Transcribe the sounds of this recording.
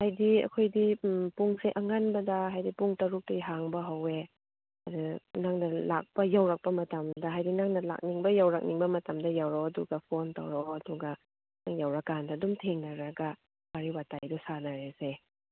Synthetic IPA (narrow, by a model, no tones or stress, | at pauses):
hajdiɐ̰kʰojdipuŋseʔɐŋanbɐdɐɦajdipuŋtɐɾuk̚tɐiɦaŋbɐɦɐwe | ɐdunaŋnɐla̰k̚pɐjawɾak̚pɐmɐtɐmdɐɦajdinaŋnɐla̰k̚niŋbɐjawɾak̚niŋbɐmɐtɐmdɐjawɾawɐduɡɐpʰonta̰wɾawɾawɐduɡɐ | aŋjawɾɐkandadumtʰeŋnɐɾɐɡɐ | waɾiwatajdusanaɾese